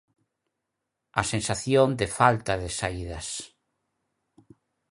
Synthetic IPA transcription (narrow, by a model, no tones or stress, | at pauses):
asẽnsaθjond̪efalt̪aðɪsaiðɐs